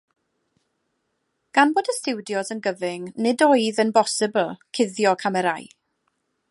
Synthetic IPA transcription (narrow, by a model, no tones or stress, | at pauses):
ɡ̥anboːdəstɪwdjɔzənɡəvɪŋnɪdoɨðənbɔsɪbl̩ˠkʰɪðjɔkʰamɛɾaj